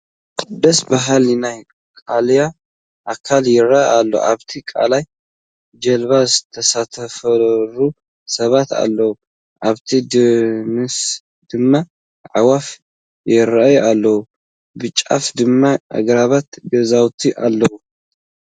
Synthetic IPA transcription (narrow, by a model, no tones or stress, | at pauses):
kʼɨd̪ɐsbaɦalnaj | kʼalja | ʔakʰaljɪɾaalːo̰ʔa̰βt̪ʰikʼa̰laj | d͡ʒɐlβazɨt̪ʰɐsat̪ʰɐfɐlu | sɐβat̪a̰lːɐwu | ʔaβt̪ʰid̪mɨs | d̪̥ɨmːa | ʕawaf | jɪɾajalːɐwu | bɨt͡ʃʼːa̰fd̪ɨmːaʔa̰ɡɾaβat̪ɡɐzawt̪ʰiʔalːɐwu